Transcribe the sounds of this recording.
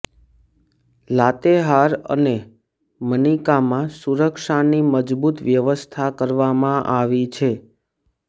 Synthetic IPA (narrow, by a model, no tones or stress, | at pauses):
lat̪eɦaɾə̰ne | mənikamãsuɾəkʂaniməd͡ʒbut̪ʋjəʋəst̪ʰakəɾʋamãʔaʋit͡ʃʰe